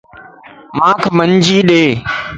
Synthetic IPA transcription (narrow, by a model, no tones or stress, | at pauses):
mãːkʰəməɲd͡ʑiːɗeː